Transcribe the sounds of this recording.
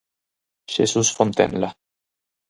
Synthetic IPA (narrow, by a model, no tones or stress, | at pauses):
ʃesusfont̪ḛnla